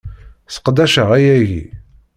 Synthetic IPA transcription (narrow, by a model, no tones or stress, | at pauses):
sə̥qd̪æʃəʁæjæʝḭ